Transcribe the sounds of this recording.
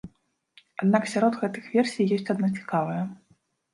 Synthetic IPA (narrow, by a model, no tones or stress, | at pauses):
ad̪naksʲaɾɔd̪ɣɛt̪ɨxvʲɛrsʲijjɔsʲt͡sʲad̪nɔt͡sʲi̥kavɐjɐ